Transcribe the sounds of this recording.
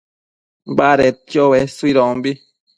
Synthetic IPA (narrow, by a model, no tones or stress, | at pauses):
baɾet̪̚jowesuiɾɔ̃mbi